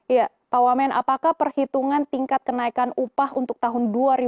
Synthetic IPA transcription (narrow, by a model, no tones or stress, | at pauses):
ja | pawamɛnʔa̰pakahpərhit̪uŋant̪iŋkat̪̚kənaikanupahunt̪ʊk̚t̪aɦʊnduaɾi